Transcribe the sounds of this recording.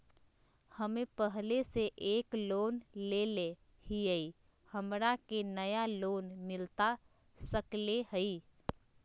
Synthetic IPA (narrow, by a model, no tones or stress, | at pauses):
həmepəɦleseʔeklonlele | hiəi | həmɾakenəjalonmɪlt̪a | səklehəi